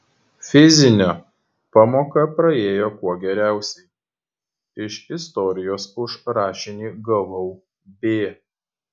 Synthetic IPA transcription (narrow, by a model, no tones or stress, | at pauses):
fʲɪzʲɪnʲoː | pɑːmoːkɐpɾɐeːjoːkuɔɡʲɛɾʲæˑʊsʲɛɪ | ɪʃɪst̪ɔɾʲɪjoːsʊʃɾɑːʃʲɪnʲiːɡɐʋɔʊ | bʲeː